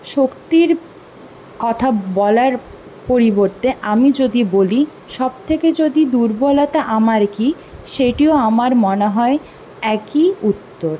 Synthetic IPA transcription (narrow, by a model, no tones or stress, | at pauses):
ʃokt̪iɾ | kɔt̪ʰabɔlaɾ | poɾiboɾt̪eʔamid͡ʑod̪iboli | ʃɔb̚t̪ʰeked͡ʑod̪id̪uɾbɔlat̪aʔamaɾki | ʃeʈioamaɾmɔneɦɔe | ɛkiut̪ːoɾ